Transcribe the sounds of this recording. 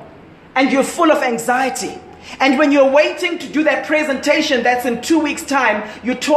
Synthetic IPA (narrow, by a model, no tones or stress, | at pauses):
ɛ̃ndjɔfʊlɔvæ̃ŋzajətʰḭ | ɛ̃ndwɛ̃njuweɪtɪ̃ŋtuduðat̚pʰɹ̥ɛzɛ̃ntʰeʃɔ̃nðætsɪ̃ntʰuwikstʰãɪ̃mjutʰɔ